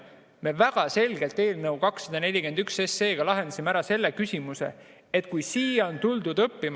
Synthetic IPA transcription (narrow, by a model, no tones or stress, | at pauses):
me̞væɡ̥ɑse̞lɡ̥e̞lt̪e̞ːlnɤwkɑksːɑd̪̥ɑne̞lʲike̞nd̪ykse̞se̞ːɡ̥ɑlɑɦe̞nd̪̥ɑsimeæɾɑse̞lːekysʲimuse̞̰ | et̪kujsiːjont̪uld̪ud̪ɤpːim